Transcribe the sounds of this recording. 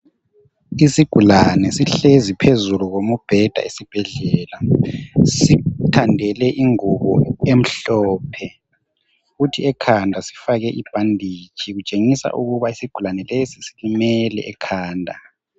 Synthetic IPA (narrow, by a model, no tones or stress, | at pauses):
isiɡ̥ʱulanɛsiɬezipʰezuluɣomub̥ʱɛd̥ʱa̰esib̥ʱɛɮɛːla | sitʰandʱɛlɛʔiŋuβɔ̰em̩ɬɔːpʰɛ | futʰiɛkʰandʱasi̥faɣɛʔib̥ʱandʱiːt͡ʃʼʰiɣut͡ʃʼeŋisa̰ʔuɣuβaisiɡ̥ʱulanɛlesisilimɛlɛ̰ʔɛkʰaːndʱa